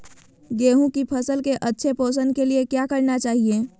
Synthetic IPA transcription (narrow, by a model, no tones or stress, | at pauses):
ɡeːɦũkipʰəsəlkeʔətːʃʰepoːs̬ənkeliekjakəɾnat͡ʃaːɦie